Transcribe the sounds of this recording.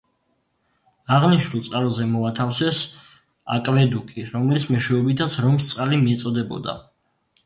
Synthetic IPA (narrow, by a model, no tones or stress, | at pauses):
aʁniʃnulˠt̪sʼqʼalɔzɛmɔat̪ʰafsɛs | a̰kʼvɛd̪ukʼiɾɔmlismɛʃɛɛbit̪ʰat̪sʰɾɔmst̪sʼqʼalimiɛt̪sʼɔd̪ɛbɔ̰d̪a̰